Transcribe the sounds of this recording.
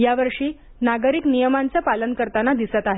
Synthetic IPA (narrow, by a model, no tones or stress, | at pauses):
jaʋəɾʂiː | naɡəɾiknijəmaɲt͡ɕjapalənkəɾt̪anad̪isət̪aɦe